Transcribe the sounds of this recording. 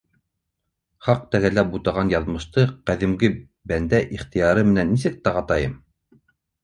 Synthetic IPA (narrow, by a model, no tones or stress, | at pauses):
χɑq̚t̪æɣælæbut̪ɑʁɑnjɑðmɤ̆ʃt̪ɤqæðɘ̆mɡɘ | bænd̪æʔiχt̪ĭjɑɾɤmɘ̆nænːisɘk̚t̪æʁɑt̪ɑjɤm